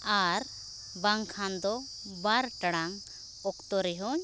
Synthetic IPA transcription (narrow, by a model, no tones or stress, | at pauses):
aɾ | baŋkʰand̪ɔ | baɾʈaɽaŋ | ɔkt̪ɔɾɛɦɔɲ